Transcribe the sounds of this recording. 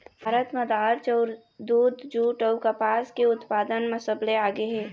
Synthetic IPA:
bʱaːɾət̪məd̪aːɾt͡ʃɔʊɾ | d̪uːd̪d͡ʒuːʈəʊkəpaːskeʊt̪paːd̪ənməsəbleaːɡeɦɛː

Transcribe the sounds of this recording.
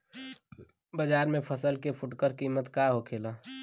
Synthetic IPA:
bəd͡ʒaːɾmẽpʰəsəlkepʰʊʈkəɾkimːət̪kaɦokʰeːla

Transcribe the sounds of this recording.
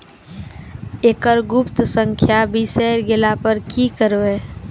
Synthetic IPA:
eːkəɾɡʊpt̪sə̃ŋkʰjabʱisɛːɾɡɪlapəɾkikəɾbe

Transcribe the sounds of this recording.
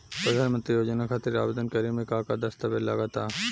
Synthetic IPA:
pɾod̪ʱanmənt̪ɾijod͡ʑonakʰat̪iɾeɾa̰bed̪onkəɾimekakad̪ɐst̪abeɾla̰ɡat̪a

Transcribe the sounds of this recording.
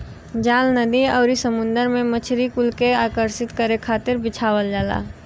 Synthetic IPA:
d͡ʒaːlnəd̪iɔːɾisəmʊ̃nd̪əɾmẽmət͡ʃʰɾikʊlkeaːkəɾsɪt̪kəɾekʰaːt̪ɪɾbɪt͡ʃʰaːwəld͡ʒaːla̰ː

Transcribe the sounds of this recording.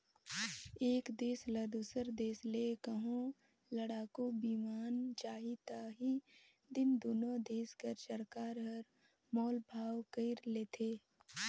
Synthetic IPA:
eːkd̪eːslɐd̪usəɾd̪eːsleːkəɦõ | ləɽaːkobiːmaːnt͡ʃaːɦit̪aːɦi | d̪ɪnd̪oːnõd̪eːskəɾt͡ʃəɾkaːɾɦəɾ | mɔːlbʱaːwkəɪɾleːt̪ʰeː

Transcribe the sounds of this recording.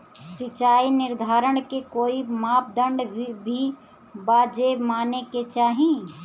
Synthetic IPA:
sɪt͡ʃaːinɪɾd̪ʱaːɾəɽ̃kekoːimaːp̚d̪ə̃ɳɖbʱi | baːd͡ʒemaːneket͡ʃaːɦĩ

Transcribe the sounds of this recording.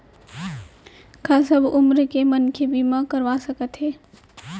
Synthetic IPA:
kʰasəbʊmɾkemɐnkʰebimãkəɾʋasɐkət̪ɦɛː

